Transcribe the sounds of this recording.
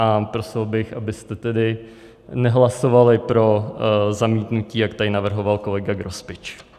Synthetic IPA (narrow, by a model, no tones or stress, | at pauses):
ʔapɾo̞sɪlbɪxʔabɪst̪ɛt̪ɛdɪ | nɛɦlasovalɪpɾo̞zamiːt̪nuciːjakt̪ajɪnavr̩ɦo̞valko̞lɛɡaɡɾo̞spɪt͡ʃ